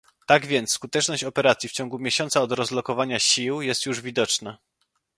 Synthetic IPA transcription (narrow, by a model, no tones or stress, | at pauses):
t̪aɡvʲjɛnt̪skut̪ɛt͡ʂnɔɕt͡ɕɔpɛɾat̪sʲjift͡ɕɔŋɡumʲjeɕɔnt̪saɔd̪ɾɔzlɔkɔvaɲaɕiwjɛst̪juʐvʲid̪ɔt͡ʂna